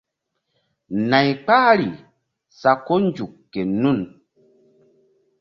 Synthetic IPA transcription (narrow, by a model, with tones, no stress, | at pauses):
na˨jk͡paː˦ɾi˨ | sa˨ko˦n˦d͡ʒu˨kːe˨nu˦˨n